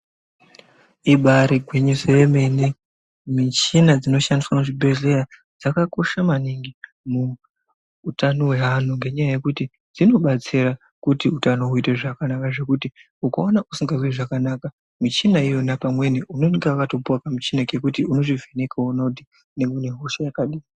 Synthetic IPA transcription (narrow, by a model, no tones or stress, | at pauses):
iɓaɾiɡʱweɲuseʋeme̞ne | mit͡ʃinad͡zino̞ʃandiswanoʐibʱe̞ɮe̞ɾa | d͡zakako̞ʃamaniŋɡi | muː | tano̞we̞ɦan̤uŋɡe̞ɲajaje̞kuti | d͡zino̞ɓat͡sira | kutiutanouiteʐakanakaʐe̞kuti | ukaonaʔusiŋɡaziʐakanaka | mit͡ʃinaijo̞napamwe̞niuno̞niɡaʋatopuwakamit͡ʃinake̞kutiuno̞ʐivʱenekʰaunodi | neŋɡeneɦo̞ʃajakaɗiːi